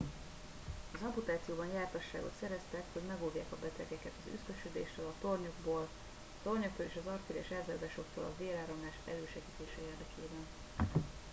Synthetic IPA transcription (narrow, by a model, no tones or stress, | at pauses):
ɒzɒput̪aːt̪sijoːbɒnjaːrt̪ɒʃːaːɡot̪sɛɾɛst̪ɛkho̞ɟmɛɡoːvjaːkɒbɛt̪ɛɡɛkɛt̪ɒzy̰skøʃød̪eːʃt̪øːlɒt̪o̞rɲo̞ɡboːl | ɒt̪o̞rɲok̚t̪oːleːʃɒzɒrt̪iːɾɛ̰ʃɛrzaːzaːʃo̞k̚t̪o̰ːlɒ̰veːlaːɾo̞mlaːʃɛ̰løːʃɛɡiːt̪eːʃɛeːrd̪ɛkʰeːbɛn